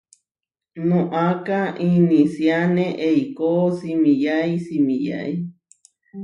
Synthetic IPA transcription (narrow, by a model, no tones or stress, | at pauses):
nõʔakaʔinĩsjanẽʔeikosimijaisimija̰i